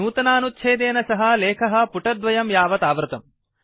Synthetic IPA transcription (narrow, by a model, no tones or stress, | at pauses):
uːt̪ɐnaːnut̪ːʃʰeːd̪eːnɐsɐɦɐ̆leːkʰɐɦɐ̆puʈɐd̪ʋɐjɐmjaːʋɐt̪aːʋɾut̪ɐm